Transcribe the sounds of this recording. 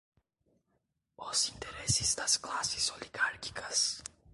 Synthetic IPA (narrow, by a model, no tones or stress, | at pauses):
ɔz̥ĩnt̪eɾesɪzd̪ɐsklasɪzoliɡaɾki̥kʰɐs